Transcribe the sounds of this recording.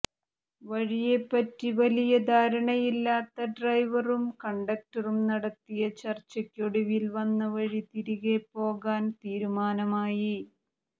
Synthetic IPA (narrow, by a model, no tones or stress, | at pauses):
ʋɐɻijepːɐtːiʋɐlijɐd̪ʱaːɾɐɳɐjilːaːt̪ːɐɖrɐjʋɐrumkɐɳɖɐk̚ʈɐrumnɐɽɐt̪ːijɐt͡ɕɐrt͡ɕːɐkʲːoɽɐʋilʋɐnːɐʋɐɻit̪iɾiɣe̞pːo̞ːɣaːnt̪iːɾumaːnɐmaːji